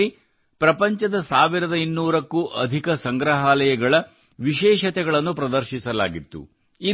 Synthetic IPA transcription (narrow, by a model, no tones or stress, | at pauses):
i | pɾɐpɐɲt͡ʃɐd̪ɐsaːʋiɾɐd̪ɐinːuːɾɐkːuːʔɐd̪ʱikɐsɐŋɡɾɐɦaːlɐjɐɡɐɭɐ | ʋiʃɛːʃɐt̪ɛɡɐɭɐnːupɾɐd̪ɐɾʃisɐla̰ːɡit̪ːṵ | i